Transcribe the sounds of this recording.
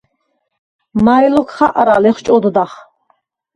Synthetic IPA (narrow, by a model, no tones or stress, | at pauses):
majlɔkʰχaʔaɾalɛχt͡ʃʼɔd̪ɔd̪aχ